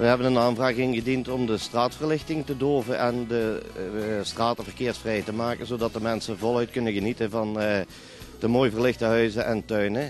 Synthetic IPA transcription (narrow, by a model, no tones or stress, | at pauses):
ʋəɦɛbənənaːnvraːɣɪŋɣədintɔmdəstraːtfərlɪxtɪŋtədoːvəʔɛndə | straːtəvərkɪːɹsfrɛjtəmaːkənzodɑt̚dəmɛnsənvɔlˠœɥt̚kɵnəɣənitənvɑn | dəmoːjvərlɪxtəɦœɥzəʔɛntœɥnə